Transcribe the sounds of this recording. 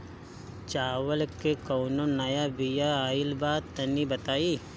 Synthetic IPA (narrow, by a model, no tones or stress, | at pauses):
t͡ʃaːʋəlkekoːnonɐjabijaaːɪlbaːt̪ːɐnibɐt̪aːiː